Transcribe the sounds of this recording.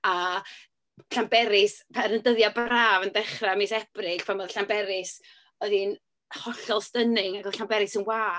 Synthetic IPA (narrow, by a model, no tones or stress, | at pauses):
a | ɬambɛɾɪspʰaɾəndəðjabraːvəndɛχramisɛb̥rɪkpʰamoðɬambɛɾɪs | ɔðin | hɔɬɔlˠstənɪŋaɡɛɬambɛɾɪsənwaː